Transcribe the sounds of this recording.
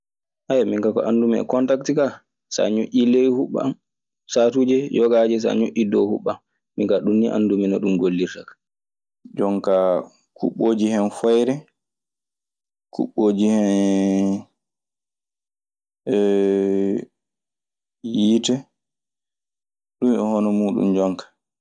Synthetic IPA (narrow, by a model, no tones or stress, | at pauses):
ʔajamiŋkakɔ̰ʔandumɛɛ̰kɔntaktika | sa̰ɲuʔʲilejhuɓːa̰m | satuːd͡ʒɛjɔɡad͡ʒɛs̬a̰ɲuʔʲidɔhuɓːamː | iŋkaɗunːiʔa̰ndumɛnaɗumɡolːiɾtakḁ | d͡ʒɔŋka | kṵɓːoːd͡ʒihɛnfɔjɾɛ | kṵɓːoːd͡ʒihɛn | ɛ | jitɛ | ɗumɔhɔnɔmuːɗṵmd͡ʒɔŋkḁ